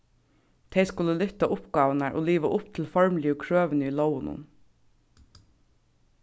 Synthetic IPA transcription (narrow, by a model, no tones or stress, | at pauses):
t̪ʰeɪskʊləlʏt̪ɑʔʊpɡɑːʋənæɹʔo̰ːliːʋɑʔʊpt̪ʰɪl̩fɔɹmlɪəkʰɹøːʋənəiːlɔʊənʊ̰n